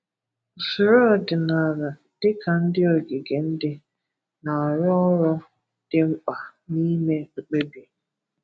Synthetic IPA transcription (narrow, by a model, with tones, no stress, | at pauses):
sʊ˨ɾɔ˦˨dɪ˨na˨ɾa˨ | d̥ɪ˦kʰa˨n̩˦dɪ˦o˨ɡɪ˨ɡe˨n̩˦dɪ˦ | na˨ɔ˨ɾɔ˦ɔ˦ɾɔ˦ | d̥ɪ˦ŋ͡m̩˦k͡pa˨ni˦me˦ŋ͡m̩˦k͡pe˦bi˨